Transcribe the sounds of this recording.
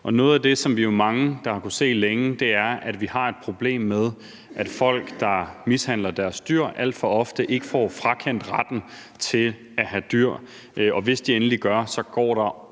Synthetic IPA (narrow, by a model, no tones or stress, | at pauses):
ʔɒ̽nɔ̽ːð̞̩ˠæd̥e̝sɒ̽mʋijo̝mɑ̈ŋəd̥ɑ̈hɑ̈kuse̝̰ːleŋəd̥e̝æɐʔæd̥ʋihɑ̈e̝d̥̚pʰʁo̝b̥le̝̰ːmːeð̞ˠ | ʔæd̥fɒ̽l̰ɡ̥d̥ɑ̈mishæn̰lɐd̥æɐsd̥yɐ̰ʔæl̰d̥fɒ̽ɒ̽fd̥əʔe̝ɡ̥əfɒ̰ːfʁakʰen̰d̥ʁad̥n̩ | t͡sʰe̝l | æɦæd̥yɐ̰ | ɒ̽ʋe̝sd̥ienəliɡ̥ɶɐsɒ̽ɡ̥ɒ̰ːɾ̥ɑ̈